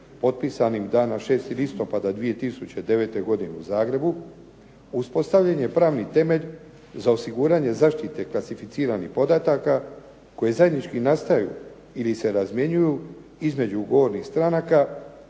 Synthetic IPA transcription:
po̞t̪̚pisanimd̪aːnaʃe̞ːst̪ilist̪o̞pad̪ad̪ʋije̞t̪isut͡ɕe̞d̪e̞ʋe̞t̪e̞ɡo̞d̪ineuzaːɡɾe̞bu | uspo̞st̪aʋʎeɲe̞pɾaːʋnit̪e̞me̞ʎ | zao̞siɡuːɾaɲe̞zaːʃt̪it̪e̞klˠasifit̪siːɾanixpo̞d̪at̪aka | ko̞je̞zajed̪nit͡ʃkinast̪ajṵ | ilise̞ɾazmje̞ɲuju | izme̞d͡ʑuɡo̞ʋo̞ɾnixst̪ɾanaka

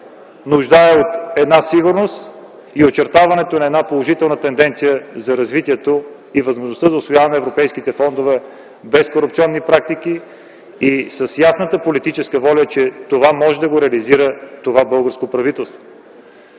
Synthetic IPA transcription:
nuʒd̪aɛot̪ɛd̪nasiɡuɾnost̪ | iot͡ʃɛɾt̪avɐnɛt̪onɐɛd̪napolˠoʒit̪ɛlˠnət̪ɛnd̪ɛnt̪sijəzɐɾɐzvit̪iɛt̪o | ivɐzmoʒnost̪əzɐʊsvojavɐnɛvɾopɛjskit̪ɛfɔnd̪ovɛ | bɛskoɾupt̪siɔnːipɾak̚t̪ik̟i | isəsjasnət̪əpolit̪it͡ʃɛskəvɔlʲɐt͡ʃɛt̪ovamɔʒɛd̪ɐɡoɾɛɐliziɾət̪ovabɤlˠɡəɾskopɾɐvit̪ɛlˠst̪vo̥

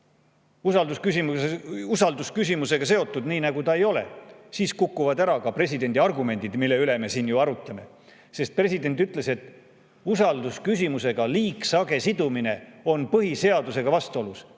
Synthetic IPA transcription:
usɑld̪uskysimusɑld̪uskysʲimuse̞ɡ̥ɑse̞o̞t̪ˑːud̪̥niːnɑɡut̪ɑe̞jo̞le̞̰siːskukːuvɑd̪æɾɑkɑpɾe̞sʲid̪e̞nʲd̪iɑrɡume̞nʲd̪id̪milːe̞yleme̞siːnjuɑɾut̪ːˑɑme̞̰ | se̞st̪̚pre̞sid̪e̞nt̪ːyt̪ːˑle̞se̞t̪ːˑ | usɑld̪uskysʲimuse̞ɡ̥ɑliːksɑɡe̞sid̪umine̞o̞npɤɦise̞ɑd̪use̞ɡ̥ɑvɑst̪uo̞lus

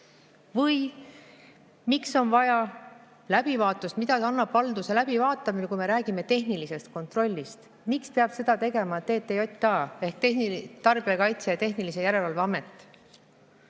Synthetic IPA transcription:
vɤj | mikso̞nvɑjɑ | læb̥ivɑːt̪ːˑust̪mid̪̥ɑt̪ɑɑnːɑb̥ːɑld̪uselæb̥ivɑːt̪ːˑɑmikujme̞ɾæːɡ̥ime̞t̪e̞ɦnilise̞st̪̚ko̞nt̪ro̞lʲːist̪ | mikspeɑb̥se̞d̪̥ɑt̪e̞ɡe̞mɑt̪e̞ːt̪ːejo̞t̪ʲːˑɑe̞hk̚t̪ehnit̪ɑrb̥iɑkɑjt̪sejɑt̪e̞ɦnilise̞jæɾe̞lɑlveɑme̞t̪ːˑ

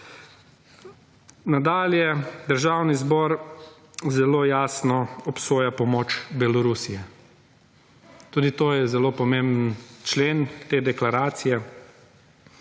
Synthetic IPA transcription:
nad̪aːljɛd̪əɾʒaːwnizbɔːɾ | zɛloːjaːsnɔɔpsoːjapɔmoːt͡ʃbɛlɔɾusijɛ | t̪uːd̪it̪oːjɛzɛlopɔmembənt͡ʃleːnt̪eːd̪ɛklaɾaːt̪sijɛ

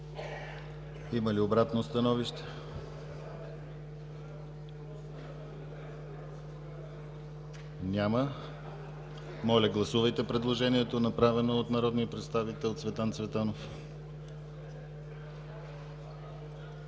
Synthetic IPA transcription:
iməliobɾat̪nost̪ɐnɔviʃt̪ɛ̥ | nʲamə | mɔlʲɐɡlˠɐsuvɐjt̪ɛpɾɛd̪lˠoʒɛniɛt̪onɐpɾavɛnoot̪nɐɾɔd̪nijəpɾɛt̪st̪avit̪ɛlˠt̪svɛt̪ant̪svɛt̪anof

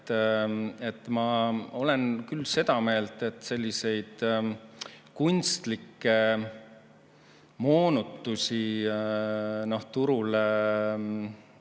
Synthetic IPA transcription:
et̪ːˑmɑo̞le̞nkylːse̞d̪̥ɑme̞ːlt̪et̪ːˑse̞lʲːise̞jd̪̥ | kunʲst̪likːe | mo̞ːnut̪ːusʲi | no̞ht̪uɾul

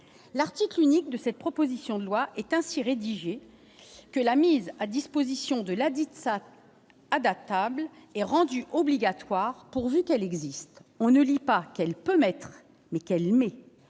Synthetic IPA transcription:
laʁt̪iklynik̚d̪əsɛt̪̚pχɔpozisjɔ̃d̪əlwaʔɛt̪ɛ̃siʁed̪iʒe | kəlamizad̪ispozisjɔ̃d̪əlad̪it̪saː | d̪at̪ablɛʁɑ̃d̪yʔɔbliɡat̪waʁpuʁvykɛlɛɡzist̪ɔ̃nəlipakɛlpømɛt̪χ | mɛkɛlmɛ

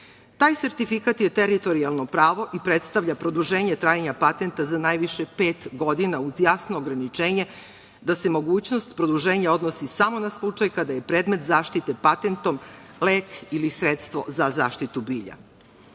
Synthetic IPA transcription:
t̪aːjse̞ɾt̪ifikat̪jet̪eɾit̪o̞ɾialˠno̞pɾaːʋo̞ʔipɾet̪st̪aʋʎʲapɾo̞d̪uʒe̞ːɲet̪ɾaːjaɲapat̪ent̪azanajʋiʃepe̞ːt̪ɡo̞d̪inauzjaːsnoːɡɾanit͡ʂe̞ːɲe̞ | d̪ase̞mo̞ɡuːt͡ɕnost̪pɾod̪uʒe̞ːɲao̞d̪no̞sisamo̞naslˠut͡ʂajkad̪aje̞pɾeːd̪me̞t̪zaːʃt̪it̪e̞pat̪e̞nt̪o̞mleːkilisɾet̪st̪ʋo̞̰zazaːʃt̪it̪ubiːʎa̰

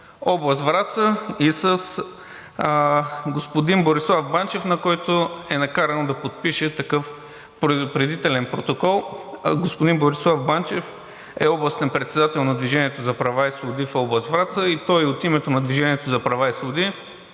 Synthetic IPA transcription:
ɔblˠəst̪vɾat̪səisəs | ɡospod̪inboɾislˠavbant͡ʃɛfnɐkɔjt̪oɛnɐkaɾɐnod̪ɐpot̪̚piʃɛt̪ɐkɤf | pɾpɾɛd̪it̪ɛlɛnpɾot̪okɔlˠɡospʊd̪inboɾislˠafbant͡ʃɛf | ɛ̰ɔblˠɐst̪ɛnpɾɛt̪sɛd̪at̪ɛlˠnɐd̪viʒɛnʲiɛt̪ozɐpɾɐvaislˠʊd̪ifɔblˠɐst̪vɾat̪səit̪ɔjiot̪imɛt̪onɐd̪viʒɛniɛt̪ozɐpɾɐvaislˠʊd̪i

